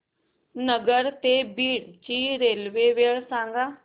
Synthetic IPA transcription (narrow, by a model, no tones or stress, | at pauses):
nəɡəɾt̪eːbiːɽt͡ʃiːɾeːlʋeːʋeːɭsãːŋɡaː